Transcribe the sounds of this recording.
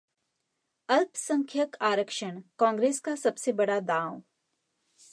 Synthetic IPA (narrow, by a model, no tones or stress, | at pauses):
ɐlpsə̃ŋkʰjəkʰaːɾəkʃəɳkãːŋɡɾeːskasɐbsebɐɽad̪ãːw